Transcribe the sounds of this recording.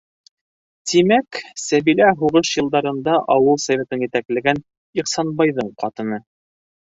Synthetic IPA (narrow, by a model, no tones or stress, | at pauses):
t̪imæksæβilæɦuʁɤʃjɤ̆lˠd̪ɑɾɤ̆nd̪ɑʔɑwɤlˠsævʲet̪ɤnjɘ̆t̪æklɘ̆ɡæn | iqsɑnbɑjðɤɴqɑt̪ɤ̆nɤ